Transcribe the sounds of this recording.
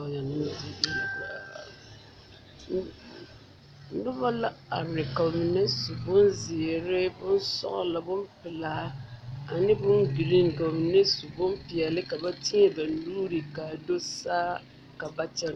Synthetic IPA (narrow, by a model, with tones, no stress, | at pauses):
ja˨nɪ˦n˦zi˨˦di˦˨ba̰˨˦ | n̩˦dʊ˦ba˦la˦a˨ɾɛ˨kɔ˨mi˨ne˦su˨bʊ˦nzɪ˨ɾɪ˦bʊ˦n˦sɔ̰˦ʔɔ̰˨la˨bʊ˦m˦pɪ˨la˨˦a˨nɪ˦bʊ˦nɡi˨li˦ŋ˨ka˨mɪ˨ne˦su˨bʊ˦mpɪ˨ɛ˨lɪ˦ka˨ba˦ti˦ɛ˨ba˨n̩˨˦luː˦ɾi˨ka˨do˦saː˦ | ka˨ba˦t͡ʃɛ˦n˨